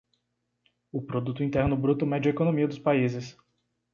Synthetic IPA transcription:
ʊpɾod̪ut̪ʊĩt̪ɛɾnʊbɾut̪ʊmɛd͡ʒɐekonõmiɐd̪ʊspaizɪs

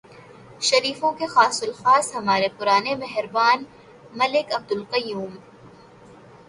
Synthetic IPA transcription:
ʃɐɾiːfõkexaːsʊlxaːshɐmaːɾepʊɾaːnemɛɦɾbaːn | mɐlɪkɐb̚d̪ʊlqɐjuːm

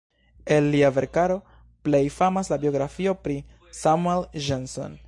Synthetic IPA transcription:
e̞lːiave̞ɾkaɾo̞ | ple̞jfamaslabio̞ɡɾafio̞pɾi | samuelʒenso̞̰n

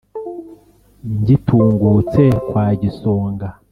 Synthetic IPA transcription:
ɲɟitʰuːŋɡut͡se̞kwaːɟisoːŋɡa

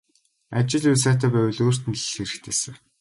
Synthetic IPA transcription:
at͡ɕɪ̆ɮʊs̬aːt̪æːpæwʲɘ̆ɮoːr̥t̪ɘ̆nɮxeɾɘ̆kt̪ʰeːsɘ̆w

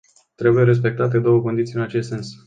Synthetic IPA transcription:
t̪ɾe̞buje̞ɾe̞s̬pe̞k̚t̪at̪e̞d̪o̞wəko̞nd̪it̪sijɨnat͡ʃest̪se̞ns

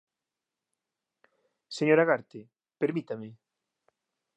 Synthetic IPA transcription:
seɲoɾaɣaɾt̪e | peɾmit̪amɪ

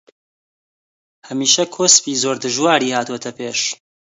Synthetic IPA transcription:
hɐmiːʃɐkʰoːspiːzoːɾd̪ɨʒwaːɾiːhaːt̪uwet̪ʰɐpʰeːʃ

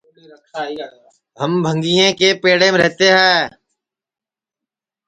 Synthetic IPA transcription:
kʰa | ɦəmbʱə̃ŋɡijẽkepeːɽẽmẽɾɛɦt̪eɦɛ̃ː

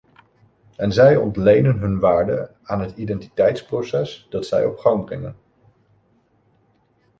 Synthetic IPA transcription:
ɛnzɛjɔ̰ntlejnənɦɵnʋaːɹdə̰ | aːnɦətidɛnti̥tɛjtsprosɛsd̥ɑtsɛ̰jɔ̰pχɑŋbrɪŋən

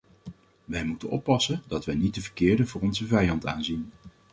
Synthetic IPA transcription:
ʋɛjmutənɔ̰pːɑsəndɑtʋɛjnit̚dəvəɹkɪːɹdəvʊːrɔnzəvɛjɑnta̰ːnzin

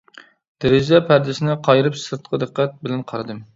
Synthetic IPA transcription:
d̪̥ɪɾɪd͡ʒɛpʰæɾd̪ɪsɪnɪqʰɑjɾɨpsɨɾt̪̚qʰəd̪ɨqːæt̪̚bɪlɛnqʰɑɾɨd̪ɨm

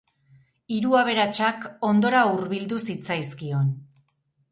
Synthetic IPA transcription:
iɾuaβ̞e̞ɾat͡ʃako̞nd̪o̞ɾauɾβild̪usit͡sajskio̞n

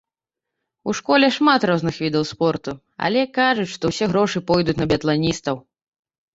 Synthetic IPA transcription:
uʂkɔlʲɛʂmat̪rɔznɨxvʲid̪ɐwspɔrt̪u | a̰lʲɛkaʐut͡sʲʂt̪ɔwsʲɛɣɾɔʂɨpɔjd̪ut͡sʲnɐbʲɐt̪lˠanʲist̪ɐw

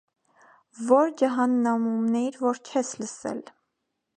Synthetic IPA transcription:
vɔɾd͡ʒəɦɑnːɑmumnɛiɾvɔɾt͡ʃʰɛsləsɛ̰l

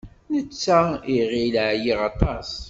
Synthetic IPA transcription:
nət͡sːæiʁilʕjiʁɑt̪ˤɑs

